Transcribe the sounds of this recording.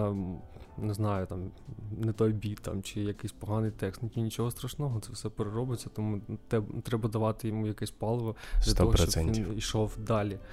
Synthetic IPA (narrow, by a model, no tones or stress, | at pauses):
nɛznɑjʊt̪ɑmnɛt̪ɔjbʲit̪t̪ɑ̰mt͡ʃɪjɐkɪsʲpɔɦɑnɪjt̪ɛkst̪ntʲinʲit͡ʃɔɦɔst̪ɾɐʃnɔɦɔt̪sɛwsɛpeɾeɾɔbɪt͡sʲːɐt̪ɔmut̪ɛbt̪ɾɛbɐd̪ɐʋɑt̪ɪjɔmujɐkɛsʲpɑlˠʋɔd̪lʲɐt̪ɔɦɔɔɾt͡ʃɔsɛʋiniʃɔwd̪ɑlʲi